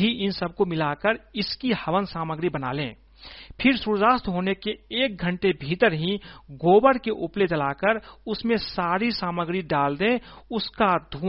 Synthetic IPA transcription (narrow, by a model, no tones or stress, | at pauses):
iʔɪnsəb̚komɪlaːkəɾɪskihəʋənsaːməɡɾibəna̰ːlḛ̃ː | pʰɪɾsuɾd͡ʒaːst̪ɦoːnekeːk̚ɡʱə̃ɳʈebʱiːt̪əɾɦĩɡoːbəɾkeʔʊplet͡ʃəlaːkəɾʊsmẽsaːɾisaːməɡɾiɖaːld̪ẽʊskad̪ʱuː